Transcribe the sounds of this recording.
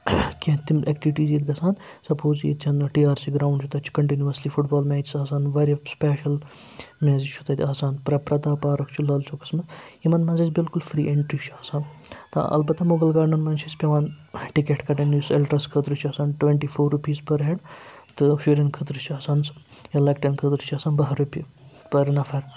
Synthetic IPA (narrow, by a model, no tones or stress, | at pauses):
kʲẽt̪imek̚ʈiʋiʈiːzjit̪ɡɐsaːn | sɐpʰoːzjḭt̪t͡ʃʲʰɐnʈiːaːɾsiːɡɾaːwɳɖt͡ʃʰut̪ɐt͡ʃʰu̥kɐɳʈinuʋɐslifuʈbaːlmeːd͡ʒisaːsaːnʋɐɾɐspeːʃɐl | mʲeːzit͡ʃʰu̥t̪ɐt̪ʰʲaːsaːnpɾɐpɾɐd̪aːpaːɾɐkʰt͡ʃʰulɐlt͡ʃʰokɐ̥smɐsjimɐnmɐnzizbɪlkulfɾiːʔeɳʈɾit͡ʃʰuaːsaːn | t̪ɐ̰ʔɐ̰lbɐt̪ːɐmoɡɐlɡaːɳɐnmɐnt͡ʃʰispʲɐʋaːn | ʈikeʈkɐʈɐnuselʈɾɐskʰət̪ɾɨt͡ʃʰiɐːsaːnʈʋẽɳʈiːfoːɾːupiːzpɐɾɦeɖ | t̪ɨʃiɾʲɐnkʰət̪ɾɨt͡ʃʰiaːsaːns | jɐlɐkʈɐnkʰət̪ɾɨt͡ʃʰiaːsaːnbɐɦɐɾupʲi | pɐɾnɐfɐɾ